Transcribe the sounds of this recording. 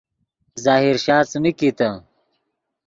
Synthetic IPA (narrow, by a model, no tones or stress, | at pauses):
zaːɦiɾɕaːt͡smikit̪ɐ